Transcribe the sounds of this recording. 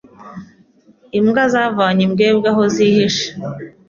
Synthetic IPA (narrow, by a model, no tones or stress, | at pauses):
imɡazavaːɲimɡeːb̚ɡaɦozihiʃḁ